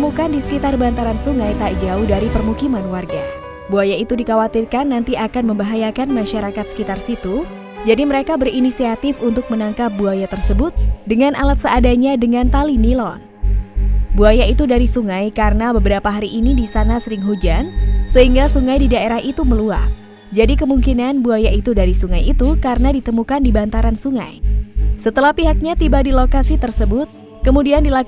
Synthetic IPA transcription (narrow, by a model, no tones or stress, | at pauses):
əmukandisə̥kit̪arbant̪aɾansuŋajt̪aʔd͡ʒaudaɾipərmukimanwarɡa | buajait̪udikawat̪irkanːant̪iakanməmbaɦajakanmaʃaɾakat̪sə̥kit̪arsit̪u | d͡ʒadiməɾekabərinisiat̪ɪfunt̪ʊk̚mənaŋkap̚buajat̪ərsəbʊt̪̚dəŋanʔalat̪̚səadaɲadəŋant̪alinilɔn | buajait̪udaɾisuŋajkaɾənabəbəɾapaɦaɾiʔːnidisanasəɾɪŋɦud͡ʒansəɦiŋɡasuŋajdidaeɾahʔit̪uməlua̰h | d͡ʒadikəmuŋkinanbuajaʔit̪udaɾisuŋajit̪ukaɾənadit̪əmukandibant̪aɾansuŋa̰jsət̪əlahpiɦak̚ɲat̪ibadilokasit̪ərsəbʊt̪̚ | kəmudiandila